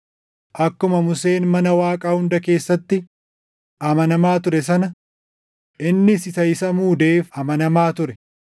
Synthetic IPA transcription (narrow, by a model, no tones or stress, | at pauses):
ʔɐkːʊmɐmʊse̞ːnmɐnɐwaːkʼaːhʊnd̪ɐke̞ːsːɐt̪ːɪ | ʔɐmɐnɐmaːt̪ʊɾɛs̬ɐnɐ | ʔɪnːɪsɪsɐjɪsɐmuːd̪e̞ːfɐmɐnɐmaːt̪ʊɾɛ